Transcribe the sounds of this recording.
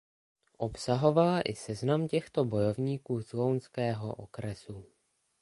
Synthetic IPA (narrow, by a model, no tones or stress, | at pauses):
ʔo̞psaɦo̞valaʔɪsɛznamcɛxt̪o̞bo̞jo̞vɲiːkuːzlownskɛːɦo̞ʔokɾɛsu